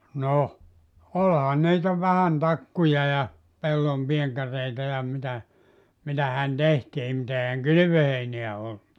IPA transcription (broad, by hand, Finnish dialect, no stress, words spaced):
noh olhɑn niːtæ ʋæhæn tɑkːujɑ jɑ pelːompientɑrˑeitɑ jɑ mitæ mitæhæn tehtiːm mut eihæŋ kyly̆ʋøheineæ olːu